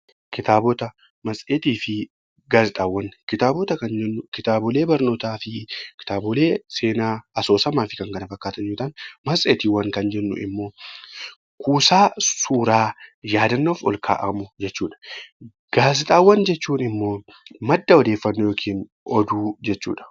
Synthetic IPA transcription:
kɪt̪aːbɔt̪ɐ | mɐsʼeːt̪iːfɪ | ɡaːzɪt̪ʼaːwːɐnːkɪt̪aːbɔt̪ɐkɐnd͡ʒɛnːʊkɪt̪aːbɔle̞ːbɐɾno̞ːt̪aːfɪkɪ̥t̪aːbʊle̞ːse̞ːnaːɐso̞ːsɐmaːfɪkɐŋkɐnɐfɐkːaːt̪ɐnjoːt̪ɐnmɐsʼeːt̪iːwɐŋkɐnd͡ʒɛnːʊ̰ʔɪ̰mːo̞ː | kʰuːsaːsuːɾaːjaːd̪ɐnːoːfɔ̰lkʰa̰ːʔɐmʊd͡ʒɛt͡ʃːuːᶑɐ̥ | ɡ̥aːzɪt̪ʼaːwːɐnd͡ʒɛt͡ʃːuːnɪmːo̞ː | mɐd̪ːɐɔd̪eːfːɐnːojoːkʰiːn | ɔd̪uːd͡ʒɛt͡ʃːṵːᶑɐ̥

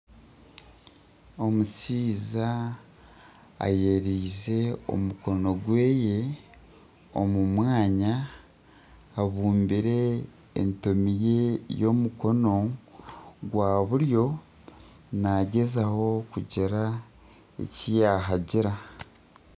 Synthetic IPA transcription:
o̞musiːza | jeɾiːze̞o̞̰muko̞no̞ɡwe̞ːje̞ | o̞mumwaːɲa | βuːmbiɾe̞̰ː | ntomije̞jo̞muko̞no̞ | ɡwaːβuɾjo̞ | naɟe̞zaho̞kuɟiɾa | ḛcijaːɦaɟiɾa

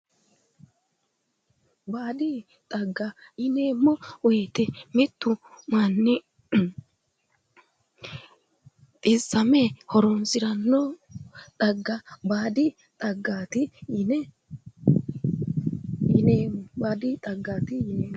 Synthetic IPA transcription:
baːd̪i | t̪ʼɐɡːajɪneːmːɔwɔjt̪ɛmɪt̪ːʊmanːɪ | t̪ʼɪsːɐmɛhɔɾɔnsɪɾɐnːot̪ʼɐɡːabaːd̪ɪ | t̪ʼɐɡːaːt̪ɪnɛ | jɪneːmːɔbaːd̪ɪt̪ʼɐɡːaːt̪ɪjɪneː

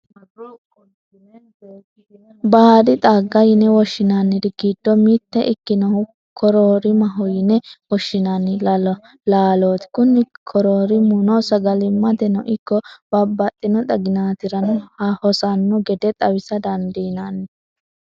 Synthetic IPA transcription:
baːd̪ɪt̪ʼaɡːɐjɪnɛwɔʃːɪnanːɪd̪ɪɡiːd̪̥ːɔmiːt̪ːɛʔɪkːɪnɔ | kʰɔɾoːɾɪmɐɦɔjɪnɛwɔʃːɪnɐnːɪ | laːloːt̪ɪ̥kʊnːɪkʰɔɾoːɾɪmunɔsɐɡɐlɪmːɐt̪ɛnɔʔɪkːɔb̥ɐbːɐt̪ʼːɪnɔt̪ʼɐɡɪnaːt̪ɪɾɐnɔhɐhɔsɐnːɔɡɛd̪ɛt̪ʼɐwɪsɐd̪ɐnd̪inɐnːɪ

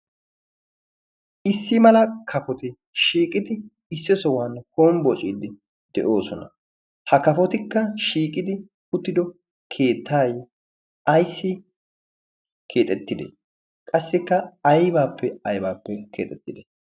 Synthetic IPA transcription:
ɪsːɪmɐlɐkʰɐfɔt̪ɪ | ʃiːkʼɪd̪ɪ | ɪsːɪsɔwanhoːnbɔt͡ʃʼiːd̪ɪ | d̪̥ɛʔo̞ːsɔnɐ̰ | hɐkɐfɔt̪ɪkːɐʃiːkʼɪd̪ɪ | ʊt̪ːɪd̪ɔ | kʰe̞ːt̪ːaːj | ʔɐjsːɪ | kʰe̞ːt̪ʼɛt̪ːɪd̪ḛ | kʼɐsːɪkːɐːjbaːpːɛɐjbaːpːɛkʰe̞ːt̪ʼɛt̪ːɪd̪e

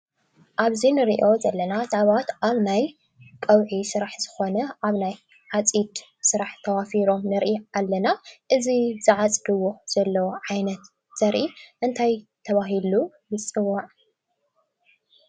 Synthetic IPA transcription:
ʔaβzinɨɾiʔo̞zɐlːɐnat̪ʕβat̪aβnaj | kʼɐwʕisɨɾaħz̥ɨxo̞nɐʔaβnaj | ʕat͡sʼid̪ | sɨɾaħt̪ʰɐwafiɾo̞mnɨɾʔialːɐnaʔɨzizɨʕat͡sʼd̪ɨwːuz̥ɐlːɐwoʕajnɐt̪ | z̥ɐɾʔiʔɨnt̪ʰajt̪ʰɐβaɦilu | jɨt͡sʼɨwːaʕ

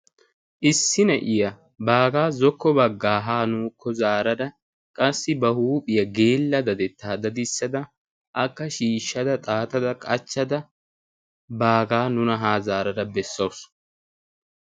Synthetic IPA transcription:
ʔɪsːɪnɐʔɪjɐ | baːɡaːzɔkːɔbɐɡːaːɦaːnuːkʰːɔzaːɾɐd̪ɐ | kʼɐsːɪbɐhuːpʼɪjɐɡe̞ːlːɐd̪ɐd̪ɛt̪ːaːd̪ɐd̪ɪsːɐd̪ɐ | ʔɐkːɐʃiːʃːɐd̪ɐt̪ʼaːt̪ɐd̪ɐkʼɐt͡ʃːɐd̪ɐ | baːɡaːnʊnɐɦaːzaːɾɐd̪ɐbɛsːɐws

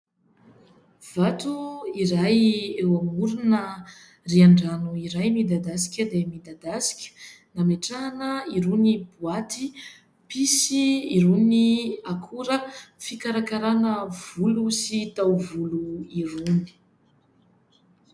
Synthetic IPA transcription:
v̥at̪uiɾajewamuɾunə | riaɳɖ͡ʐanuiɾajmid̪ad̪asi̥kʲəd̪emid̪ad̪asi̥kʲə̥ | nameʈ͡ʂaɦanəiɾunibuat̪i | pisiiɾuniakʰuɾəfikaɾakaɾanəv̥ulusit̪awvuluiruni̥

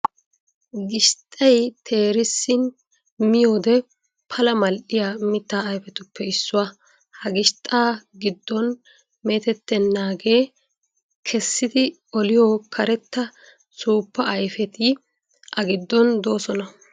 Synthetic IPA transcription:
ɡɪʃt̪ʼɐjt̪ʰe̞ːɾɪsːɪn | mɪjoːd̪ɛ | pʰɐlɐmɐlɗɪjamɪt̪ːaːjfɛt̪ʊpːɛɪsːʊwa | hɐɡɪʃt̪ʼaːɡɪd̪ːɔn | me̞ːt̪ɛt̪ːɛnːaːɡe̞ː | kʰɛsːɪd̪ɪ | ɔlɪjokʰɐɾɛt̪ːɐ | suːpːɐɐjfɛt̪ɪ | ʔɐɡɪd̪ːɔnd̪o̞ːsɔnɐ

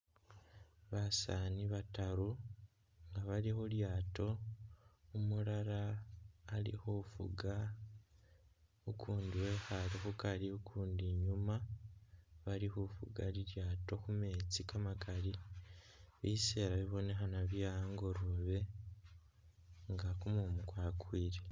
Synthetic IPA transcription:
βasaniβataɾu | ŋɡaβaɾihoɾjaːto̞ | umuɾaɾaː | ɾḭhofṵɡa | ukʰuːndiwe̞xaɾixukaɾiukʰuːndiɲuma | βaɾihufṵɡaɾiɾjaːto̞kumeːt͡sikamakaɾi | βise̞ːɾaβiβo̞ne̞ɦanaβjaŋɡo̞ɾoβe̞ | ŋɡakumumukwaːkwiːɾe

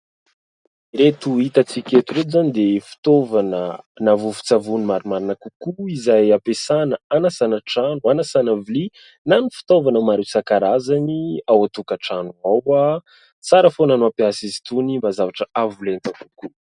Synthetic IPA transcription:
ɾet̪uit̪at͡sikʲet̪uɾezanid̪efi̥t̪ovanənavufu̥t͡savunimaɾimaɾinakukuizajapesanəanasanəʈ͡ʂanuanasanavili | nanifi̥t̪ovanamaɾesakaɾazaniawat̪ukaʈ͡ʂanuawa | t͡saɾəfonanuapiasizi̥t̪unimbazavaʈ͡ʂəʔavulent̪akuku

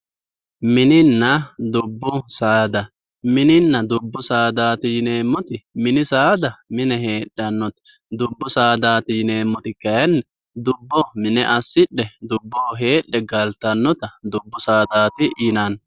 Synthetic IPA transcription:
mɪnɪnːɐd̪ʊbːʊsaːd̪ɐ | mɪnɪnːɐd̪ʊbːʊsaːd̪aːt̪ɪjɪne̞ːmːɔt̪ɪmɪnɪsaːd̪ɐmɪnɛɦe̞ːᶑːɐnːɔt̪ɐ̥ | d̪ʊbːʊsaːd̪aːt̪ɪjɪneːmːɔt̪ɪkːɐjɐnːɛ | d̪ʊbːɔmɪnɛʔɐsːɪᶑːɛd̪ʊbːoːɦe̞ːɗːɛɡɐlt̪ɐnːɔt̪ɐd̪ʊbːʊsaːd̪aːt̪ɪjɪnan

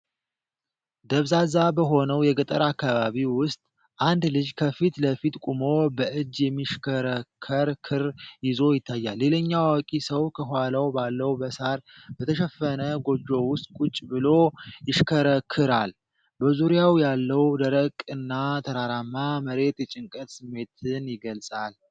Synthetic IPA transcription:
d̪əβzazabəɦo̞nəwjɛɡət̪ʼəɾakːaβaβiwʊst̪ʼ | ʔand̪lɨd͡ʒkʰəfit̪ləfit̪kʼumo̞bəʔɨd͡ʒːjɛmːiʃkʰəɾəkʰːəɾkʰɨɾjɪzo̞jɪt̪ʰːajːalːe̞ləɲːawawɔkʼisəwkʰəɦwalawbalːəwbəsaɾbət̪ʰəʃɛfːənəɡo̞d͡ʒːo̞wʊst̪ʼkʼut͡ʃʼːbɨlo̞jɪʃkʰəɾəkʰːɨɾal | bəzuɾjawjalːəwd̪əɾəkʼɨnːat̪ʰəɾaɾamːaməɾe̞t̪jɛt͡ʃʼɪŋkʼət̪sɨmːe̞t̪ʰɨnjɪɡəlsʼal

